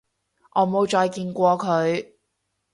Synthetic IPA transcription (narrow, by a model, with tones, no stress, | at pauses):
ʔɔː˨˧mo˨˧wt͡ʃɔː˧jkiː˧nkʷɔː˧kʰɵ˨˧ɥ